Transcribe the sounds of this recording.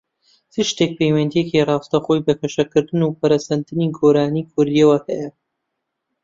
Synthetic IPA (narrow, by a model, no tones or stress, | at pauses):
t͡sɨʃt̪ek̚pʰejwɐnd̪ijecirɑːwst̪ɐxojbɐkʰɐʃɐkɨɾd̪ɨnupɐɾɐsɐnd̪ɨniɡoɾaːniːkʰʊɾijɐwɐhɛjɐ